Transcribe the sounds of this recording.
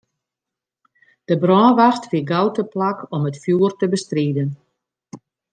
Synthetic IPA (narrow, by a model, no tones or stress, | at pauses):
d̥əbrɔːnʋaxtfiɡawtəplakʰɔmətfjuːərtəbəstriːdən